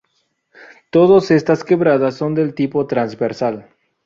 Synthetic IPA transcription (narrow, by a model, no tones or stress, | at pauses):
t̪oðose̞st̪aske̞βɾaðasːo̞nd̪e̞lt̪ipo̞t̪ɾanzβeɾsal